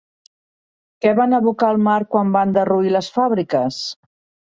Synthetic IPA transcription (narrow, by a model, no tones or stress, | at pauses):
kɛβanəβukaːlˠmaɾkwamband̪əruiləsfaβɾikəs